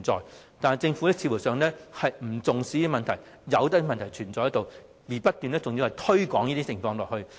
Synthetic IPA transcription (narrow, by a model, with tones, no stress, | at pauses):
nt͡sɔ̰ː˨˧jt̪aː˨nɐ˨jt͡sɪ˧ŋfu˨˥lɛː˥t͡sʰiː˧˩wu˨˩sœː˨ŋlɛː˥hɐ˨jm̩˨˩t͡sʊ˨ŋsiː˨˥ki˧mɐ˨nt̪ʰɐ˨˩j | jɐ˨˧wt̪ɐ˥˧mɐ˨nt̪ʰɐ˨˩jt͡ʃʰyː˨˩nt͡sɔː˨jɐ˥t̪w | jiː˨˩pɐ˥t̚t̪yː˨˧nɛː˥t͡sʊ˨ŋji˧whɐ˨jt̪ʰɵ˥ɥkɔː˨˥ŋjiː˥t̪iː˥t͡sʰɪ˨˩ŋfɔː˧ŋlɔː˨khɵ˧ɥ